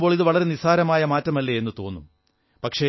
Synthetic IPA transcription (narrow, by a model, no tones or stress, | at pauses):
bo̞ːɭiðɨʋɐɭɐɾe̞nisaːɾɐmaːjɐmaːtːɐmɐlːeenːɨt̪o̞ːnːum | pɐkʂe